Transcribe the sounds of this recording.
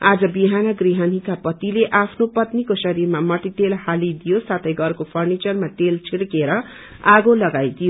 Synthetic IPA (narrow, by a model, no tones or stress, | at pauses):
ad͡zʌbiɦanʌɡriɦʌnikapʌt̪ileʔapʰnopʌt̪nikosʌɾirmamʌʈiʈelhalid̪ijosat̪ʰʌjɡʌrkopʰʌrnit͡sʌrmaʈelt͡sʰiɽkeɾʌ | aɡolʌɡajd̪ijo